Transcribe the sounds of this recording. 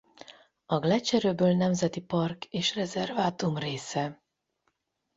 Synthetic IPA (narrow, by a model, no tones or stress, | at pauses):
ɒɡlɛt͡ʃɛɾøːbøːlnɛmzɛt̪ipɒrkeːʃrɛzɛrvaːt̪umreːsɛ